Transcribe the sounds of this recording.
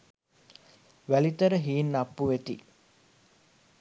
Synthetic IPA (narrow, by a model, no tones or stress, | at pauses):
ʋælit̪əɾəɦiːnːɐpːuʋet̪i